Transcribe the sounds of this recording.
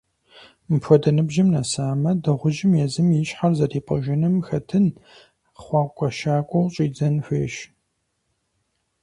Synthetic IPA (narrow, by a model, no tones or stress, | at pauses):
mɨpʰʷɔdɐnɨbʒɪmnɐsaːmɐdɐʁʷʊʒɪmjɛzɨmjɪɕħarzɐriːpʼɐ̰ʒɪnɨmxɐtʰɨn | χʷɑːkʷʼɔʃaːkʷʼɔwɕʼiːd͡zɐnfʷeːʃ